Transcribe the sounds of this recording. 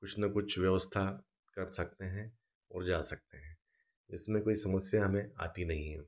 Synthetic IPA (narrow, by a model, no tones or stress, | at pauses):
kʊt͡ʃʰnakʊt͡ʃʰʋjɐʋəst̪ʰa | kɐɾsɐk̚t̪eɦɛ̃ | ɔːɾd͡ʒaːsɐk̚t̪eɦɛ̃ː | d͡ʒɪsmẽkoːisɐməsjaɦɐmẽa̰ːt̪inɐɦĩɦɛ